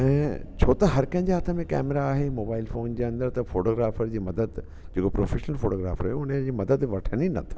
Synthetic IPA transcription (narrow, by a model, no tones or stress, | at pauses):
ɛ̃ːt͡ɕʰoːt̪ɐɦɐɾkɐ̃ɦɪ̃ɲd͡ʑeɦaːt̪ʰəmẽkɛ̰ːmɪɾaːɦemoːbaːɪlfoːnd͡ʑeːɐ̃nd̪əɾt̪ɐfoːʈoːɡɾaːfəɾd͡ʑiːmɐd̪əd̪ | d͡ʑeːkopɾoːfʰeːʃnəlfoːʈoːɡɾa̰ːfəɾɦɛʊn̤əd͡ʑiːmɐd̪əd̪ʋɐʈʰəñinɐ̰t̪ʰḁ